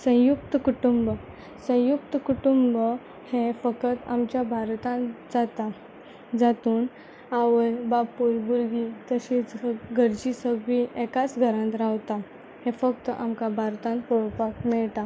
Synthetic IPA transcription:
sə̃juk̚t̪əkuʈumbə | sə̃juk̚t̪əkuʈumbə | hefəkət̪amt͡ɕjabʱaɾt̪ãnd͡zat̪a | d͡zat̪uːn | aʋəjbapulbuɾɡit̪əɕit͡sɡʱəɾd͡ʑisəɡʋiʔɛkat͡sɡʱəɾãnt̪ɾawt̪a | hefək̚t̪əʔamkabʱaɾt̪ãnt̪poɽpakmɛɭt̪a

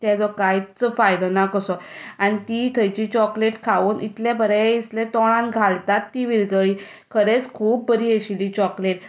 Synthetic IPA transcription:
t̪ɛd͡zɔkajt͡səfajd̪ɔnakəsɔañit̪it̪ʰəjt͡ɕiːt͡ɕɔkleʈkʰaʋuːnḭt̪ljabəɾeislẽt̪ɔɭ̃ãnɡʱalt̪at̪ːiʋiɾɡəɭiː | kʰəɾet͡skʰuːb̚ːəɾiːeɕiliːt͡ɕɔkleʈ̚

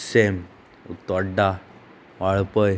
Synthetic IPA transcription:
sem | ṵt̪ɔɖa | ʋaɭpəj

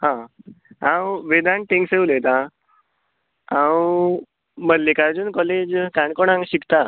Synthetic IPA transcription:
ɦã | ãwʋed̪ãɳʈẽŋsewlet̪ã | ãw | mədlikaɾd͡ʑuːnkɔled͡ʑkaɳkɔɳ̃ãŋɕikt̪a

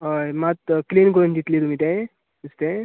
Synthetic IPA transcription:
ɦomat̪klinkɔɾund̪it̪lit̪umit̪̬ẽ | ust̪ẽ

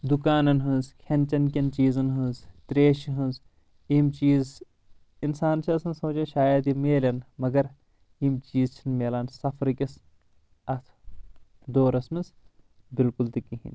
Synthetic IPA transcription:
d̪ukaːnɐnɦɨnzkʲʰɐnʲt͡ʃɐnkʲɐnt͡ʃiːzɐnɦɨnzt̪ɾeːʃiɦɨ̃nz | iːmt͡ʃiːz | insaːnt͡ʃʰiɐsɐnsoːt͡ʃɐnʃaːjɐd̪imeːlʲɐnmɐɡɐɾ | imt͡ʃiːzt͡ʃʰinmeːlaːnsɐfʰɾkʲis | ɐt̪ʰ | d̪oːɾɐsmis | bilkult̪ikiɦḭn

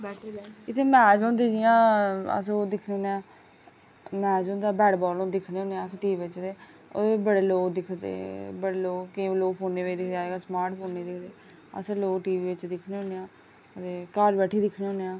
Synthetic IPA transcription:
ʈʰɪt̪ʰːeːmɛ̃ːd͡ʒõːnd̪iːd͡ʒɪjãːə̰sd̪ɪkʰneːõːneãː | mɛ̃ːd͡ʒõːnd̪aːbɛːɖbɔːlõːd̪ɪkʰneːɦõːneːãːsʈiːiːʋɪt͡ʃd̪eː | o̰ːd̪ebəɽeːloːɡd̪ɪkʰd̪ḛːbəɽeːloːɡkeloːɡpʰoːnːeːʋed̪ɪkʰd̪aːeːɡaːsmaːɾʈpʰoːnːeːd̪ɪkʰd̪eː | ə̰sloːɡʈiːʋiːʋɪt͡ʃd̪ɪkʰneːɦõːneːjãː | t̪eːkaːɾbɛːʈʰiːd̪ɪkʰneːɦõːneːãː

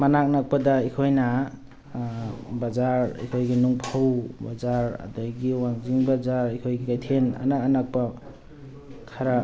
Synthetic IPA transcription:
manak̚nak̚padaikʰojna | bazaɾḭkʰojɡinuŋpʰawbazaɾa̰dɔjɡiwaŋziŋbazaɾikʰojɡikajt̪ʰena̰naanak̚pa | kʰaɾa

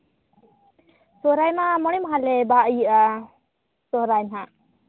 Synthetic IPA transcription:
soɾajmamɔɽimɦalebaʔja | soɾajnɦa

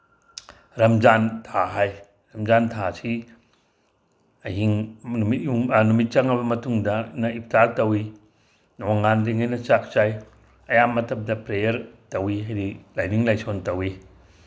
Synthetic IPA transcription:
ɾɐmd͡ʒantʰaɦaj | ɾɐmzantʰasi | hiŋnumitjunumit̚t͡ʃɐŋɐβɐmɐtuŋdɐnɐip̚ʰtatɐwi | noŋanliŋɐjnɐt͡ʃak̚t͡ʃaj | ɐjamːɐtʰɐp̚dɐpɾejɐɾtɐwiɦajɾilajniŋlajsontɐwi

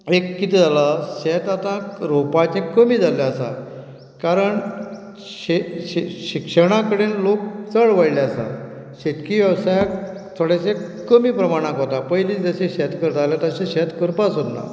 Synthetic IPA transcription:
ekːit̪id͡zalaɕɛt̪at̪ãɾopat͡ɕẽkəmiːd͡zaleasa̰ | kaɾəɳ | ɕeɕikʂəɽ̃ãkəɽenlok̚t͡səɭʋəjleasa̰ | ɕet̪kiʋjəʋsajakt̪ʰoɽasekəmiːpɾəmaɽ̃ãkɦot̪apəjliːd͡zəɕeɕɛt̪kəɾt̪alat̪aɕẽɕɛt̪kəɾpasod̪na̰

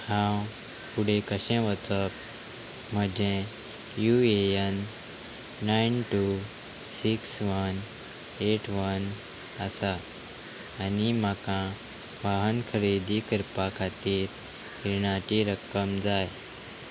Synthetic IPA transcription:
hãw | puɽ̤ekəɕɛ̃ʋət͡sək̚ | m̤əd͡ʑẽ | jueənː | ainʈu | siksʋən | eʈʰʋən | əsaː | nimakã | ʋaɦənkʰəɾid̪ʱikəɾpakʰat̪iːɾ | hiɾɳat͡ɕiɾəkːəmd͡zaj

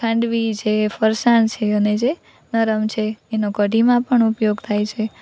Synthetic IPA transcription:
kʰãɳɖʋid͡ʒʰefəɾsãnt͡ʃʰeəned͡ʒe | nəɾəmt͡ʃʰeːnokəɖimãpəɳupjoɡt̪ʰajt͡ʃʰe

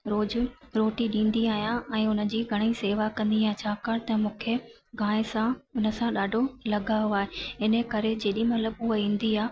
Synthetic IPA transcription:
ɾoːd͡ʑ | ɾoːʈiɗĩːnd̪iaːɦijãʔɛ̃ːʊnə̆d͡ʑiːɡʱɐɽ̃iseːʋakɐ̃nd̪iãːt͡ɕʰaːkaɽt̪ɐ̃mũːkʰe | ɡãːɪ̃sãʊnə̆sãɗaːɖʱolɐɠaɦoaːɦeɦɪnəkɐɾed͡ʑeːɗĩmɐt̪ləbʊɦəĩːn̆d̪iaː

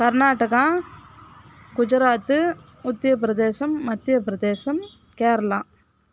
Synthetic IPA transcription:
kɐɾnaːʈːɐɣãː | kʊd͡ʒɪɾaːt̪ːɯ | ʊt̪ːɪjɐp̬ɪɾɐd̪eːsɐmːɐt̪ːɪjɐpɾɐd̪eːsɐm | keːɾɐlãː

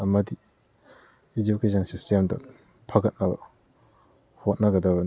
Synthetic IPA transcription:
ɐmɐdi | ed͡ʒukesʰɐnsistemdɐ̰ | pʰɐɡɐt̚nɐbɐ̰ | hot̚nɐɡɐdɐbɐ

